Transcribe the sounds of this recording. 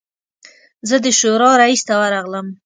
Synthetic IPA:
zəd̪əʃoɾɑɾaist̪awaɾɑɣləm

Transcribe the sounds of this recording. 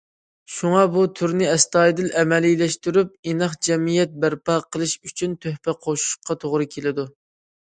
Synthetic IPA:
ʃuŋɑbut̪ʰyɾnɪɛst̪ɑːjd̪ɪlʔɛmɛlijlɛʃt̪yɾyp̚inɑχd͡ʒɛmijɛt̪̚bæɾpɑqʰəlˠɨʃyt͡ʃʰynt̪ʰøhpɛqʰoʃu̥ʃqːɑt̪ʰoʁɾɨkʲʰelɪd̪u

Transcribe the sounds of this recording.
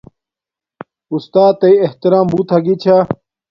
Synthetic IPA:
ust̪aːt̪ːɐjeht̪iɾaːmbuːt̪ɦɐɡit͡ɕʰa

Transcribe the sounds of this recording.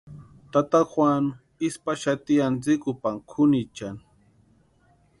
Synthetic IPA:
t̪at̪axwan | ispaʃat̪ijant͡sɪkʊpaŋkʰʊnit͡ʃan

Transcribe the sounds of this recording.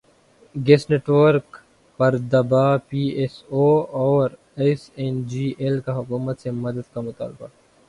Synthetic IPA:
ɡesneːʈʋəɾk | pɐɾd̪ɐbaːpiːesoɔːɾ | esend͡ʒiːelkaɦʊkuːmət̪semɐd̪əd̪kamʊt̪a̰ːlba̰

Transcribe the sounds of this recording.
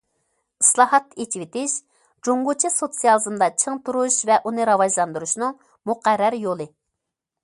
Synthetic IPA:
ɨslˠɑːɦɑt̪et͡ʃʰivet̪ɪʃ | d͡ʒoŋɡut͡ʃʰisot̪sijɑlˠɨzɨmd̪ɑt͡ʃʰəŋt̪uɾuʃvɛʔunɨɾɑvɑʒlˠɑnd̪uɾuʃnɨŋ | muqæɾːæɾjolˠɨ

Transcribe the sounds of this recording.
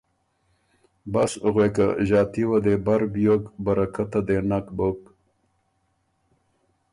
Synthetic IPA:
bɐsɣwekaʑaːt̪iwad̪ebɐɾbjokbɐɾɐkat̪ad̪enakbok

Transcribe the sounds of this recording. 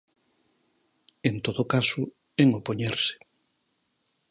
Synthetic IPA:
ent̪oðokasʊ | eŋopoɲeɾse̥

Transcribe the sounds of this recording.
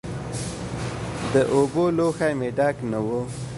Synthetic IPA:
d̪əʔoboloxajmeɖɑknawo

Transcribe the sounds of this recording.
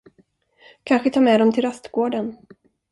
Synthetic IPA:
kʰanɧət̪ʰɑːɾmɛːd̪ɔmt̪ʰɪlɾast̪ɡoːɖən

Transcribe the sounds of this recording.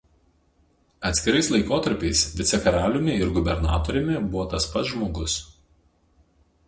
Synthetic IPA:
ɐt̪ʲsʲkʲɪɾɐslˠɐɪkoːt̪ɐɾʲpʲɛɪsʋʲɪt̪sʲɛkɐɾɑːlʲʊmʲɪɪɾɡʊbʲɛɾnɑ̰ːt̪oːɾʲɛmʲɪbʊʋoːt̪ɐspɐt̪sʒmoːɡʊs

